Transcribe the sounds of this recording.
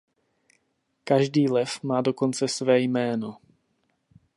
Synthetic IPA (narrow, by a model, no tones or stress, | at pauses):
kaʒdiːlɛfmaːdo̞ko̞nt͡sɛsvɛːjmɛːno̞